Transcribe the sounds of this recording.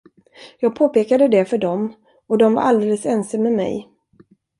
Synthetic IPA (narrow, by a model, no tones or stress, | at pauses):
jɑːɡ̚pʰoːpeːkad̪əd̪ɛfœɖɔm | ɔd̪ɔmva̰ɾʔa̰ld̪eːləsɛnsamːɛmɛ̰j